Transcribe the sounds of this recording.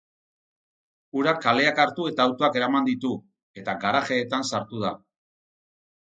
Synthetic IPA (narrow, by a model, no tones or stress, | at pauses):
uɾakale̞akaɾt̪ue̞t̪aːwt̪oake̞ɾamand̪it̪u | e̞t̪aɡaɾaxe̞ːt̪ansaɾt̪uð̞a̰